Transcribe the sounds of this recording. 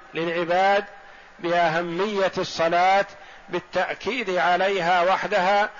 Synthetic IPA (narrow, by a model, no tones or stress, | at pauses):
lɪlʕɪbaːd̪ | bɪʔaɦamːɪjːasˤːɑlaːt̪ | bɪt̪ːaʔkiːd̪ʕalajɦaːwaħd̪aɦaː